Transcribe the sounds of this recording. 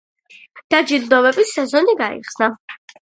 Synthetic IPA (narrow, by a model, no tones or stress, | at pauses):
d̪̥ad͡ʒild̪ɔvɛbisːɛzɔniɡaḭχsna